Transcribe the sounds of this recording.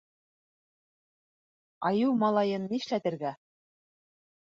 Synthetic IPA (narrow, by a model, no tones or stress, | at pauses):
ɑjɤwmɑlˠɑjɤnːiʃlæt̪ɘ̆ɾɡæ